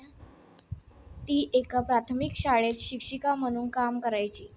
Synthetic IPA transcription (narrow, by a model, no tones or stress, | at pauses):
t̪iːʔekapɾat̪ʰəmikɕaɭet͡sɕikʂikam̤əɽ̃uːnkamkəɾajt͡ɕiː